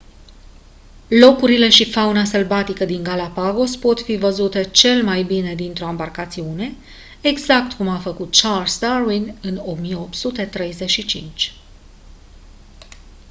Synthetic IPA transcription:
lo̞kuɾile̞ʃifaunaselbat̪ikəd̪iŋɡalapaɡo̞spo̞t̪fivəzut̪e̞t͡ʃe̞lmajbine̞d̪int̪ɾo̞ambarkat̪siune̞ | eɡzak̚t̪kumafəkut̪̚t͡ʃalst̪arwinɨno̞mijeop̚t̪sut̪e̞t̪ɾe̞jze̞ʃit͡ʃḭnt͡ʃʲ

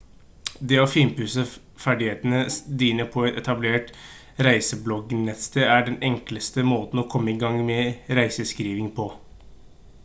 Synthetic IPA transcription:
d̪eːɔfɪmpʉsə | fæɖɪheːt̪nəd̪iːnəpʰɔɛt̪ɛt̪ɑbleːʈ | ɾæɪsəblɔɡnɛt̪st̪eːæɖɛnɛŋkləst̪əmoːt̪n̩ɔkʰɔmːəɪɡɑŋmɛɾæɪsəskɾiːʋɪŋpʰɔ

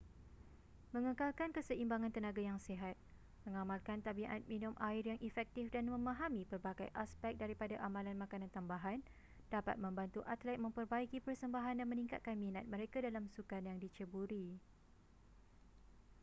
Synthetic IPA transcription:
mə̃ŋəkalkankəsəʔimbaŋãnt̪ənaɡajaŋseɦat̪̚ | mə̃ŋãmalkant̪abiʔa̰t̪̚minʊmʔaɪrjaŋʔifɛk̚t̪ifdanmə̃mãɦamĩpərbaɡajʔaspɛk̚daɾipadaʔamãlanmãkanãnt̪ambaɦan | d̥apa̰t̪̚mə̃mbant̪uʔat̪lɛt̪̚mə̃mpərbaikipərsəmbaɦandanmə̃nĩŋka̰t̪̚kanmĩnat̪̚mə̃ɾekadalamsukanjaŋdit͡ʃəbuɾi

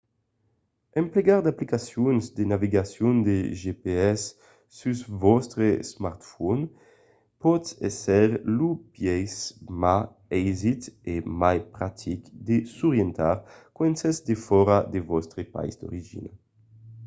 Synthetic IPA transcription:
empleɡaʁd̪aplikasjunzd̪enaviɡasjund̪eʒepeɛsː | ysvɔst̪ɾesmaɾt̪fɔn | pɔt̪ɛsɛʁlupjɛjsma | ɛjzit̪emajpɾat̪ʰikd̪esuʁjɛnt̪a̰ɾkwɛnsɛzd̪efɔɾad̪evɔst̪ɾepa̰jzd̪o̰ɾiʒḭna

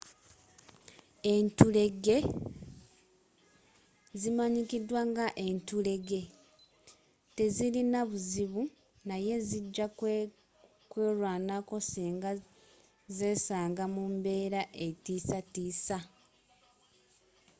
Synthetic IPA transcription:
e̞ntule̞ɡe̞ | zimaɲikidwaŋɡaʔe̞ntule̞ɡe̞ | te̞zilinaβuziβu | naje̞ziɟːa | kwe̞ːɾwaːnako̞siːŋɡa | ze̞ːsaːŋɡamumbe̞ːɾaʔe̞tiːsatiːsa

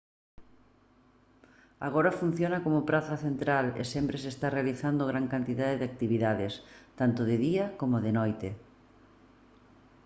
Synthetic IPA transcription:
a̰ɣ̞oɾɐfun̟θjonɐkomʊpɾaθɐθent̪ɾalḛsempɾesest̪arealiθand̪oɣɾaŋkant̪iðaðeðɪak̚t̪iβiðaðest̪ant̪ʊðɪðiɐkomoðɪnɔjt̪ɪ

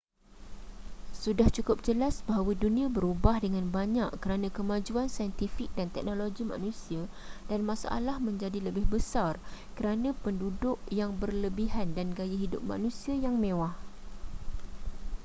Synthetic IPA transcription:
sudaht͡ʃukʊp̚d͡ʒəlasbaɦawadunĩãbəɾubahdəŋãnbaɲaʔkəɾanãkəmãd͡ʒuansajənt̪ifɪk̚dant̪ɛk̚noloɡimã̰nũsia | d̥anmãsa̰ʔa̰lahmə̃ɲd͡ʒadiləbɪhbəsarkəɾanãpəndudʊkjaŋbərləbiɦandanɡajaɦidʊ̰p̚ma̰nũsiajaŋmẽwah

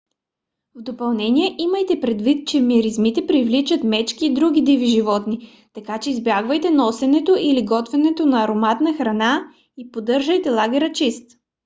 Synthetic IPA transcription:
vd̪opɐlˠnɛnijɛʔiməjt̪ɛpɾɛd̪vit̪̚t͡ʃɛmiɾizmit̪ɛpɾivlit͡ʃət̪mɛt͡ʃkiːd̪ɾuɡʲid̪iviʒivɔt̪ni | t̪ɐkat͡ʃɛizbjaɡvəjt̪ɛnɔsɛnɛt̪oʔiliɡɔt̪vɛnɛt̪onɐːɾomat̪nəxɾɐna | ipod̪ɤɾʒəjt̪ɛlˠaɡʲɛɾət͡ʃist̪

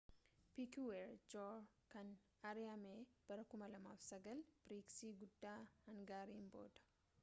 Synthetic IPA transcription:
pikuweɾd͡ʒoːɾ | kɐn | ɐɾɪɐmeːb̥ɐɾɐkʊmɐlɐmaːfsɐɡɐlb̥ɾiːksiːɡʊd̪ːaːhɐŋɡaːɾiːmbo̰ːd̪̥ɐ̥

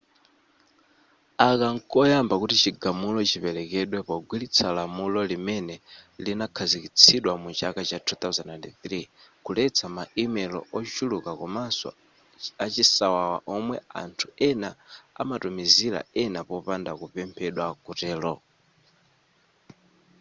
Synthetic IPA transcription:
akaŋkɔjambakutit͡ʃiɡamulɔt͡ʃipɛlɛkɛɗwɛpɔɡwilit͡sʰalamulɔlimɛnɛlinakʰazikit͡sʰiɗwamut͡ʃakat͡ʃatʰut̪auzanandθɾikulɛt͡sʰamaimɛlɔ̰ʔɔt͡ʃulukakɔmasɔ̰ | at͡ʃisawawa̰ʔɔmwɛa̰ntʰu̥ɛnaa̰matumizila̰ɛnapɔpandakupɛmpʰɛɗwakutɛːlɔ

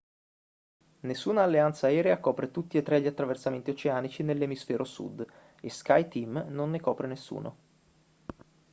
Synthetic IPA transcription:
nesːuːnaːlːeant̪saɛːɾeakɔːpɾet̪ut̪ːiet̪ːɾɛʎːat̪ːɾaversament̪iot͡ʃeaːnit͡ʃinelːemisfɛːɾʔosṵd̪ | eska̰jt̪imnonːekɔːpɾenesːṵːnʔo̰

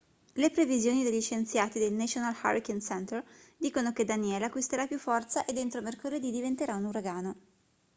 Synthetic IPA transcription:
lepɾevizjoːnid̪eʎːit͡ʃent̪sjaːt̪id̪elnat͡ʃonalxa̰ɾikensɛnt̪erd̪iːkonoked̪anjɛːleakwist̪eɾapjufɔrt̪saʔed̪ent̪ɾomerkoled̪id̪ivent̪eɾaunuɾaɡaːno

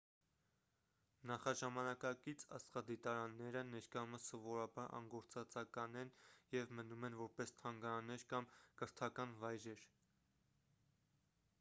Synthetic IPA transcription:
nɑχɑʒɑmɑnɑkɑkit͡sʰɑ̰sχɑd̪it̪ɑɾɑnːɛɾənɛɾkɑjuməsɔvɔɾɑbɑɾɑ̰ŋɡɔɾt͡sɑt͡sɑkɑnɛnjɛvmənumɛnvɔɾpɛst̪ʰɑŋɡɑɾɑnɛɾkɑmkəɾt̪ʰɑkɑnvɑjɾɛɾ

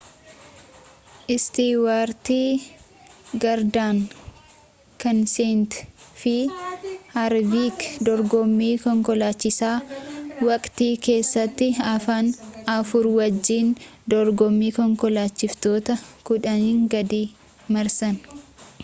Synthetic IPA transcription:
ʔɪst̪iːwaːɾt̪iː | ɡɐɾd̪aːŋ | kɐnseːnt̪fɪ | hɐɾbiːkd̪ɔɾɡɔmːiːkɔŋkɔlaːt͡ʃːɪsaːwɐkʼt̪iːke̞ːsːɐt̪ːɪɐfaːnɐfʊɾwɐd͡ʒːiːnd̪ɔɾɡɔmːiːkɔŋkɔlaːt͡ʃːɪft̪o̞ːt̪ɐkʊᶑɐniːŋɡɐd̪iː | mɐɾsɐn

